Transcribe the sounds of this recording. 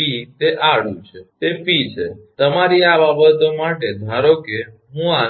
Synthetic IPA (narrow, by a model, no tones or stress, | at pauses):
it̪eʔaɽ̤ṵ̃t͡ʃʰet̪epit͡ʃʰet̪əmaɾiababət̪omaʈed̪ʱaɾoke | ɦũa